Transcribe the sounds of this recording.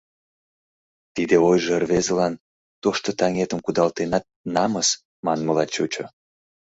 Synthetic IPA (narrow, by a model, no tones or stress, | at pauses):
t̪id̪eojʒeərβezəlɑn | t̪oʃt̪ot̪ɑŋet̪əmkud̪ɑlt̪enɑt̪̚nɑməs | mɑnməlɑt͡ɕut͡ɕo